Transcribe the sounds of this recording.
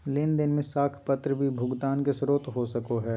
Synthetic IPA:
lɪnd̪ɪnmẽsaːkʰpɐt̪ɾəbʱibʱʊɡt̪aːnkesɾoːt̪ɦosɐkoɦɛː

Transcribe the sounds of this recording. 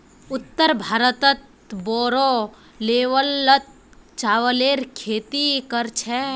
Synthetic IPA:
ʊt̪ːəɾbʱaːɾət̪ət̪̚ | bɔːɾo | leːʋəlːət̪̚ | t͡ʃaːʋəleːɾkʰeːt̪ikəɾt͡ʃʰɛ

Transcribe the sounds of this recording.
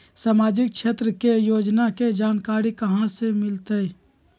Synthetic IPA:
saːmaːd͡ʒɪkkʃʰeːt̪ɾəkejoːd͡ʒnaked͡ʒaːnkaːɾikɐɦãsemɪlt̪əi

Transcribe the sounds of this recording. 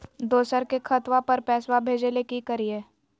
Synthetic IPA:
d̪oːsəɾkekʰɐt̪wapɐɾpɛːswabʱeːd͡ʒelekikəɾieː

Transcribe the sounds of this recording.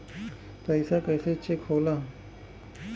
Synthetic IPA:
pəjsakəjset͡ɕːekʰola

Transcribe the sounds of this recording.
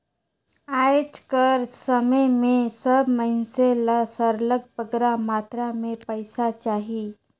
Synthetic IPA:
ajt͡ʃkəɾsəməjmesəbməɦinselasəɾləɡ̚pəɡɾamat̪ɾamepəjsat͡ʃaɦi

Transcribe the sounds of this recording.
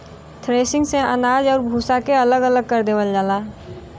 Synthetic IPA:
t̪ʰɾeːsɪ̃ŋɡseʔə̰naːd͡ʒɔːɾbʱuːsakeələɡələɡ̚kəɾd̪eːwəld͡ʒaːlaː

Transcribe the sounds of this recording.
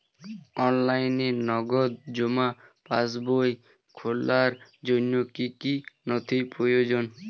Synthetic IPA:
ɔnlajnenɔɡod̪̚d͡ʑomapas̬boj | kʰolːaɾd͡ʑonjokikinot̪ʰipɾojod͡ʑon

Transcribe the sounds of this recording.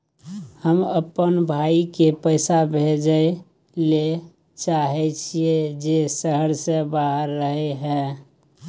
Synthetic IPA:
həməpənbʱaikepəɪsabʱed͡ʒəe | le | t͡ʃaɦɛt͡ʃʰied͡ʒesəɦəɾsebaɦəɾːəɦeɦɛ̃

